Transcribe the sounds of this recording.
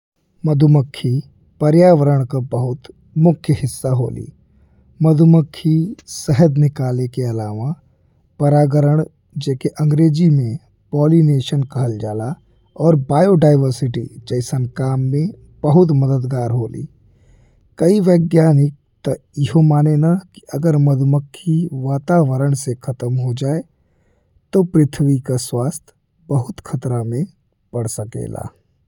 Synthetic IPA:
məd̪ʱuməkʰːi | pɐɾjaːʋəɾəɽ̃kabɐɦʊt̪ | mʊkʰjəɦɪsːaɦo̰ːlḭː | məd̪ʱʊməkʰːisəɦəd̪nɪkaːlekeɐlaːʋa | pɐɾaːɡəɾəɽ̃ | d͡ʒɛːkeʔɐ̃ŋɡɾeːd͡ʒimẽ | pɔːlineːʃənkəɦəld͡ʒaːla | ɔːɾbaːjoɖaːɪʋəɾsɪʈḭd͡ʒəɪsənkaːmːẽ | b̥əɦʊt̪məd̪əd̪ɡaːɾɦoːlḭː | kɐiʋəːɡjaːnɪk̚t̪əjɪɦomaːnenaki̥ʔəɡəɾməd̪ʱməkʰːiʋaːt̪aʋəɾəɳ̃sekʰət̪əmɦod͡ʒaːe | t̪opɾɪt̪ʰʋikaswaːst̪ʰ | bəɦʊt̪kʰət̪ɾamẽ | pəɽsəkḛːla̰ː

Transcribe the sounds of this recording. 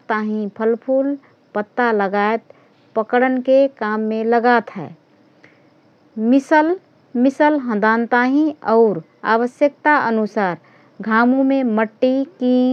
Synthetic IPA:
t̪aɦĩpʰəlpʰuːl | pət̪ːaləɡaet̪̚ | pəkɽənkekaːmːẽləɡat̪ɦɛ̰ː | mɪsəl | mɪsəlɦə̃d̪ant̪aɦĩɔʊɾ | a̰ʋəsjək̚t̪aʔənusaːɾ | ɡʱaːmũmẽməʈːiki

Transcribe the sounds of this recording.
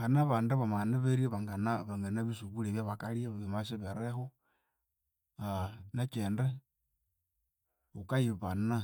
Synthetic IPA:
xanaβaːndeβamaneβeɾiaβaŋɡanaβaŋɡanaβisuβuleβjaβakaljaβimasiβeɾexo | anat͡ʃeːnde | ukajiβana

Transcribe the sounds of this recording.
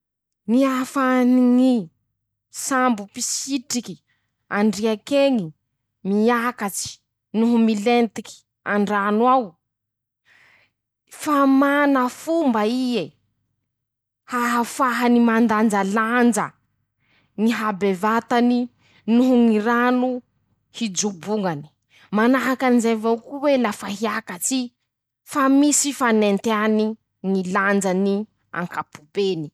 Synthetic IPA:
niafaniŋi | sambupisiʈ͡ʂiki̥ | aɳɖ͡ʐiakeŋi | miakat͡si̥ | nuɦumilent̪iki̥ | a̰ɳɖ͡ʐanwaw | famanəfumbaie | haɦafaɦanimand̪and͡ʒaland͡ʒa | niɦabevat̪ani | nuɦuŋiɾanu | hid͡ʒubuŋani̥ | manaɦakanzevaukuwelafaɦiakat͡si | famisifanent̪eani | niland͡ʒani | a̰ŋkapubeni̥

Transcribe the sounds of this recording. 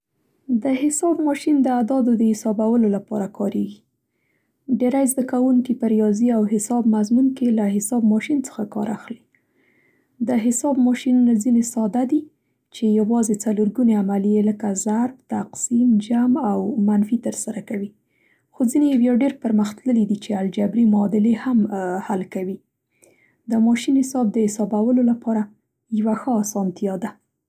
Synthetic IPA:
d̪əɦɪsɑbmɑʃind̪əad̪ɑd̪od̪əhɪsɑbawəlolapɑɾakɑɾeɡi | ɖeɾajzd̪akawuŋkipəɾijɑziawɦɪsɑbmazmunkelaɦɪsɑbmɑʃint͡sə̥xakɑ̰ɾaxli | d̪əɦɪsɑbmɑʃinunazinesɑd̪ad̪i | t͡ʃejawɑzet͡saluɾɡuneamalijeləkazaɾb̚t̪aqsimd͡ʒamawmanfit̪əɾsaɾakawi | xozinejawjɑɖeɾpəɾməxt̪ləlid̪it͡ʃeald͡ʒabɾimɑd̪ɪlehamhalkawi | d̪əmɑʃinhɪsɑb̚d̪əhɪsɑbawəlolapɑɾa | jawaxəɑsɑnt̪ijɑd̪a

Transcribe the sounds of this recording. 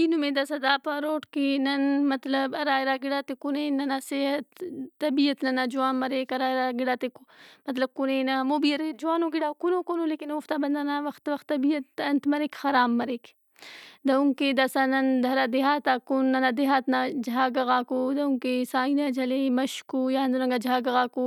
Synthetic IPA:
inumẽd̪ɐsad̪aːpaɾoːʈkinɐnmɐt̪lɐbɐɾaːjɾaːɡiɽaːt̪ekuneːnɐnaseɦɐt̪ːɐbijət̪nɐnaːd͡ʒuaːnmɐɾeːkɐɾaːɾaɡiɽaːt̪ekmɐt̪lɐb̚kuneːnamoːbiɐɾed͡ʒuaːnoɡiɽaːkunoːkoːnoleːkinoːft̪aːbɐnd̪aːnaʋɐxt̪ʋɐxt̪ːɐbijɐt̪ɐnt̪mɐɾekxɐɾaːmːɐɾeːk | d̪ɐuŋked̪ɐsaːnɐnd̪ʱɐɾaːd̪eɦaːt̪akunːɐnad̪eɦaːt̪nad͡ʒɐɦaːɡɐɣaːkoːd̪ɐuŋkesaːinaːd͡ʒɐlemɐʃkoːjaɐnd̪oɾɐŋɡaːd͡ʒaːɡɐɣaːkoː

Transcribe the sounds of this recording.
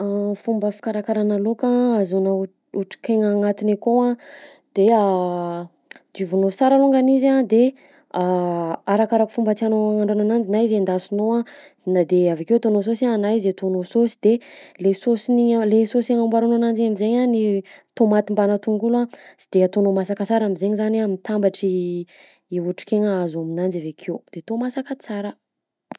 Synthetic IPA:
afumbəfi̥kaɾakaɾanalokaazona | uʈ͡ʂi̥keŋaŋat̪inekoa | d̪̥ea | d̪uvunosaɾaloŋɡanizad̪e | aaɾakaɾaku̥fumbat̪ianoaŋaɳɖ͡ʐonanand͡ʒinaizend̪asinowa | nad̪eavakewt̪onos̬osaːnaizet̪onososi̥d̪̥elesosiniɲalesosaŋambaɾononand͡ʒiamizeɲanit̪omat̪imbanət̪uŋɡulasi̥d̪̥eat̪onomasakət͡saɾamizeɲzanamit̪ambaʈ͡ʂiː | uʈ͡ʂi̥keŋəazaminand͡ʒavekʰewd̪̥et̪omasakət͡saɾə

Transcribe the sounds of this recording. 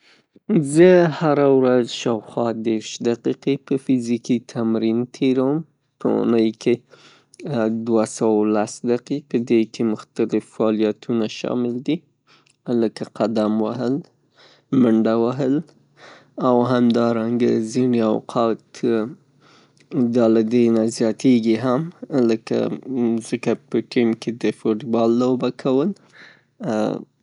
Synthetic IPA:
zəhaɾawɾazʃɑwxwɑd̪eɾʃd̪aqiqepəfɪzikit̪ʰamɾint̪ʰeɾawəm | pə̰ṵnəjkʰe | d̪wasawalasd̪aqipəd̪ekʰemʊxt̪alɪfːɑlijat̪ʰunaʃɑ̰mɪld̪i | ləkaqad̪amwaɦəl | məɳɖawaɦəl | awɦamd̪ɑɾaŋɡa̰zinea̰wqʰɑt̪ | d̪ɑlad̪əjnazjɑt̪eɡiɦamləka̰zəkapəʈimked̪əfoʈbɑlːobakʰawəl

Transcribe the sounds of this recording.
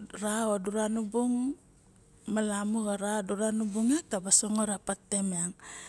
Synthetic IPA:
ɾaoduɾanubuŋ | malamuɡaɾaoduɾanubuŋetabasoŋoɾapatːemeaŋ

